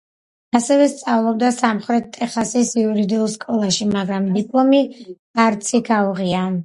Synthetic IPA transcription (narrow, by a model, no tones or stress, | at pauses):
asɛvɛst̪sʼavlˠɔb̚d̪asamχɾɛt̪ʼːɛχasisiuɾid̪iulˠskʼɔlˠaʃimaɡɾamd̪ipʼlˠɔmi̥ | aɾt̪sʰikʰauʁia